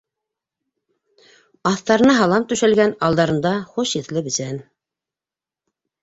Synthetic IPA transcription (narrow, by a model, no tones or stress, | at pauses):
ɑθt̪ɑɾɤ̆nɑɦɑlˠɑmt̪ʉ̆ʃælɡænɑlˠd̪ɑɾɤ̆nd̪ɑχuʃiθlɘbɘ̆sæn